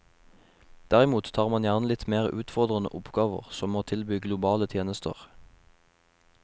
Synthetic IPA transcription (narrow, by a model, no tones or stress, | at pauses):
d̪̥æʁɪmuːt̪t̪ʰɑːʁmɑnjæʁnəlɪt̪meːʁʉːt̪fɔʁd̪ʁənə̰ʔʊpɡɑːʋə̰ʁsɔmoːt̪ʰɪlbyːɡlʊbɑːlət̪ʰjeːnəst̪ə̰ʁ